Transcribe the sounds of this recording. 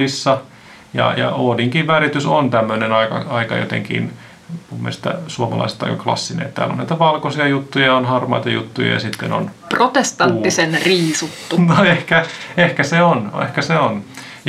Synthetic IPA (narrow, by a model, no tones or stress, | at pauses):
isːɑ | jɑ̰jɑ̰oːdiŋkiʋʋærit̪ysont̪æmːønenɑikɑ̰ɑikɑjo̰t̪ḛŋkḭn | mumːḛlst̪æ̰suomɑlɑ̰ise̥t̪ːɑikɑklɑ̰sːinḛːt̪t̪æ̰ːlːo̰nnæit̪æʋɑlkosiɑjut̪ːujɑonhɑrmɑ̰it̪ɑjṵt̪ːujɑ̰jɑ̰sit̪ːḛno̰nprot̪est̪ɑnt̪ːisenriːsut̪ːunoehkæehkæseonḛhkæseon | j